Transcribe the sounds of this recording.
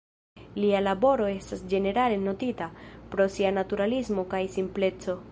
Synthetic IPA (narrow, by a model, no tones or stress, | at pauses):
lialabo̞ɾo̞e̞stasd͡ʒe̞ne̞ɾale̞no̞titapɾo̞sianatuɾalismo̞kajsimple̞t͡so̞